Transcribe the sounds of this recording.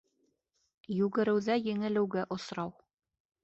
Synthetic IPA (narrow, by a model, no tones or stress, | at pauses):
jʉɡɘ̆ɾɘ̆wðæjɘ̆ŋɘ̆lɘ̆wɡæʔŏsɾɑw